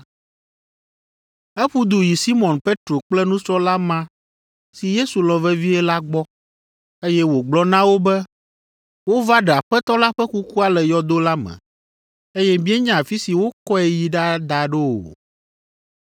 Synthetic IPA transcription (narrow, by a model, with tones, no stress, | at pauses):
ɛ˦ɸu˦d̪u˨ji˨si˦mɔ̃˨npe˦t̪ɾo˨k͡plɛ˦nũ˦sɾɔ˦la˦mã˦ | si˨je˦su˨lɔ̃˨vɛ˦vi˦ɛ˦la˦ɡ͡bɔ˦ | e˦jɛ˦wo˨ɡ͡blɔ˦nã˦wo˦bɛ˦ | wo˦va˦ɖɛ˨a˨ɸɛ˦t̪ɔ˦la˦ɸɛ˦ku˦ku˦a˦lɛ˨jɔ˨d̪o˦la˦mɛ̰̃˨ | e˦jɛ˦mĩ˦ɛ˦ɲã˦˨a˨fi˦si˨wo˦kɔ˦ɛ˦ji˨ɖa˦d̪a˨ɖe˦o̰˨